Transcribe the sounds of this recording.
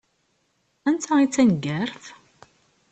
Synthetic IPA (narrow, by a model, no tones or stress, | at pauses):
ænt̪ʰæit͡sːænɡæɾθ